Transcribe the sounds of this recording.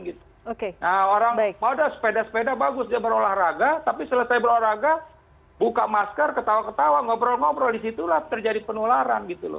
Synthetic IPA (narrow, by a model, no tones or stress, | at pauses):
ɡit̪u̥ | okenaoɾaŋbimadaspedasəpedabaɡʊsd͡ʒabəɾolahraɡat̪apisələsajbəɾolaraɡa | bukamaskərkət̪awakət̪awaŋobɾɔlŋobɾɔldisit̪ulaht̪ərd͡ʒadipənolaɾa̰nɡit̪ulʊ̰